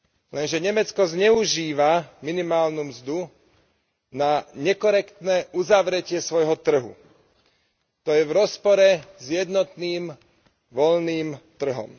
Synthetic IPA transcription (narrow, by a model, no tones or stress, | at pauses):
lɛnʒɛɲɛmɛt͡skɔzɲɛuʒiːʋaminimaːlnumzd̪u | naɲɛkɔɾɛkt̪nɛːʔuzaʋɾɛcɪɛsʋɔjɦɔt̪r̩ɦṵ | t̪ɔjɛʋɾɔspɔɾɛzjɛd̪nɔt̪niːm | ʋɔlniːmt̪r̩ɦɔ̰m